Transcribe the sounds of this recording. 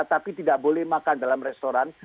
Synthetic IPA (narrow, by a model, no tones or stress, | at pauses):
t̪apit̪idaʔbolɛhmakandalamrɛst̪oɾan